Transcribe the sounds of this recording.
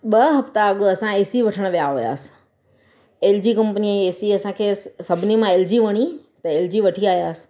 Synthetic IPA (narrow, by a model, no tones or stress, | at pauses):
ɓɐɦɐft̪aɐɠʊɐsãeːsiʋɐʈʰəɽ̃̆ʋijaɦuja̰ːsɪ̥ | eːld͡ʑiːkɐ̃mpənieːsiɐsãkʰeːsɐbʱɪnimãeːld͡ʑiʋɐɽ̃i | t̪ɐeːld͡ʑiʋɐʈʰiaːɦijaːsɪ̥̆